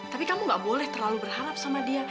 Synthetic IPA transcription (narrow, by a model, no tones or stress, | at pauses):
t̪apikamuŋɡaʔbolɛht̪ərlalubərɦaɾap̚samadia